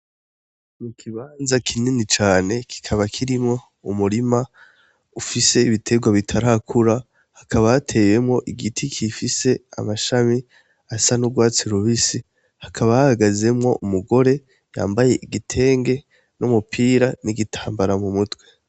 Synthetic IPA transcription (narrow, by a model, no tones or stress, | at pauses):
mukʰiβaːnzakʰininit͡ʃaːne̞kʰi̥kʰaβakʰiɾimŋo̞ | umuɾima | ufise̞iβitʰe̞ɡwaβitʰaɾakʰuɾa | hakʰaβaatʰe̞je̞mŋo̞ʔiɡitʰikʰifise̞a̰maʃami | asanuɡwaːt͡siɾuβisi | hakʰaβahahaɡaze̞mŋo̞ʔumuɡo̞ɾe̞ | ja̰ːmbaje̞ʔiɡitʰe̞ːŋɡe̞ | numupʰiːɾaniɡitʰaːmbaɾamumutwe̞